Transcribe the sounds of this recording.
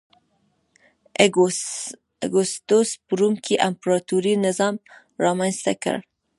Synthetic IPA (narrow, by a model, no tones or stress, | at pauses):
ɡʊst̪ospəɾumkʰeʔampɾɑt̪uɾinɪzɑm | ɾɑmanst̪akə̰ɽ